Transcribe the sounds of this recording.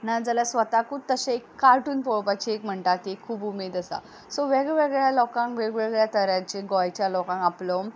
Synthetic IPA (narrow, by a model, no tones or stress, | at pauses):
nad͡zəlasʋət̪akut̪əɕẽekːaɾʈuːnpɔɭpat͡ɕiekm̤əɳt̪at̪ekʰːuːbumed̪əsa̰ | soʋeɡɛʋeɡɭjalɔkãŋkʋeɡʋeɡɭjat̪əɾjãt͡ɕẽɡɔjt͡ɕjalɔkãŋkaplom